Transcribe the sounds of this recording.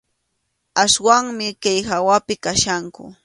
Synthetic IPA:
aswaŋmɪkajhawapɪkaʃaŋkʊ̰

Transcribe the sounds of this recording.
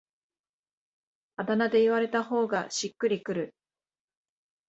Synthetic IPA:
ad̪anad̪e̞iβaɾe̞t̪aho̞ːɡaɕikːɯɾʲikɯ̟ɾɯ̟

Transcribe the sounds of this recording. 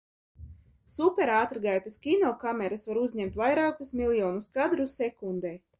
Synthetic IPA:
supʲɛɾaːt̪ɾɡajt̪askʲinɔlˠkamʲɛɾasvaɾuzɲɛmt̪vajɾaːkusmʲilˠjɔːnuskad̪ɾusɛkund̪eː

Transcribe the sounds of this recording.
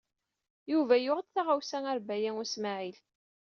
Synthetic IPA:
juvæjʊʁəd̪θaʁawsæŋæɾbæjæŋʊsmaʕil

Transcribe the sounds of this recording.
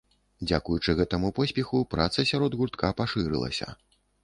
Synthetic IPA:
d͡zʲakujut͡ʂɨɣɛt̪ɐmupɔsʲpʲɛxupɾat̪sɐsʲaɾɔd̪ɣurt̪kapaʂɨɾɨ̰lˠɐ̰sʲɐ̰

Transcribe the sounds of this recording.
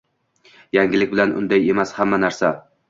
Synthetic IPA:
jaŋɡʲɪlɪkʲbɪlanʔʊ̰nd̪aje̞mashamːanaɾsa

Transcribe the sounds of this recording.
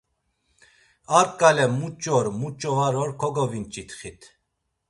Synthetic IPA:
aɾkʼalɛmut͡ʃʼɔɾmut͡ʃʼɔaɾɔɾkʰɔɡɔvint͡ʃʼit̪ʰχit̪ʰ

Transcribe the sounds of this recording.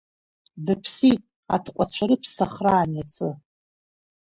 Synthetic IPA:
dɨpʰsitʼ | a̰tʰqʷʼat͡ɕʷʰaɾɨpʰsaχraːnat͡sʰʼɨ

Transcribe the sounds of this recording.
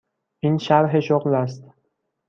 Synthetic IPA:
ʔiːnʃæɾɦeʃoɣlæst̪

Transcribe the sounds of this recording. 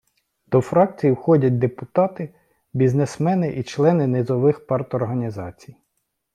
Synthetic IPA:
d̪̥ɔfɾɑk̚t͡sʲijiwxɔdʲɐt̚ʲd̪epʊt̪ɑt̪ɪ | bʲiznesmɛnɪʔit͡ʃlˠɛnɪnezɔʋɪxpɑrt̪ɔrɦɐnʲizɑt͡sʲij

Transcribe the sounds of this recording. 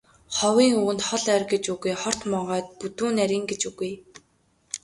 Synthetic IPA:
χɔwiːŋuːɘ̆nt̪χɔɮærɡet͡ɕuɣujχɔr̥t̪mɔɴʁœːt̪̚put̪uːnæɾʲiːŋɡet͡ɕuɣuj

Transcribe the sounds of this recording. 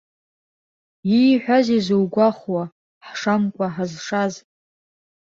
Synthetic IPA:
iħʷᶣazizowɡʷaχwa | ħʂamkʷʼaħazʂaz

